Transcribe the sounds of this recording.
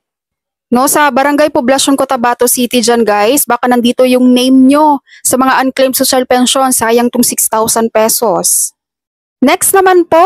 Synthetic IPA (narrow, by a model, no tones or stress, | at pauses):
no̞sɐbɐɾɐŋɡajpoblɐʃonkot̪ɐbaːt̪osit̪ɪd͡ʒanɡajsbaːkɐnɐnd̪iːt̪o̞jʊŋnejmɲo̞sɐmɐŋaʔɐnklejmsoʃɐlpɛnʃo̞nsaːjɐŋt̪ʊŋsɪkst̪awsɐnpɛsos | nɛkst̪nɐmanpo̞ʔ